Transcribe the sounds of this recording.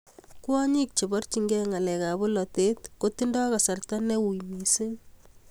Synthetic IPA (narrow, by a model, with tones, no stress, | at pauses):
ku˦a˦ɲi˦k̚t͡ʃe˨bɔ˦rt͡ʃiŋɡɛ˦ŋa˨lɛ˨ka˨bo˦lɔ˨te˦tko˦ti˦ndɔ˦ka˨sa˨rta˦nɛ˦wu˨jmi˨se˦